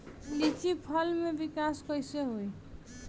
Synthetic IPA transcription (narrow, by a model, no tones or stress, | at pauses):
lit͡sipʰʌlmebikaskʌjsʌɦoj